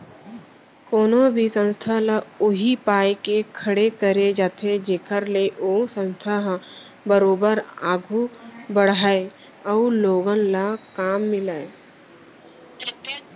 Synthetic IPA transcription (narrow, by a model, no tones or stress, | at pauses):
koːnõbʱisə̃nst̪ʰalaʊɦipaːjkekʰəɽekəɾed͡ʒaːt̪ʰed͡ʒeːkəɾleʔoːsə̃nst̪ʰaɦ | bəɾoːbəɾaːɡʱubəɽ̤aːe | əʊloːɡənlakaːmːɪlaːe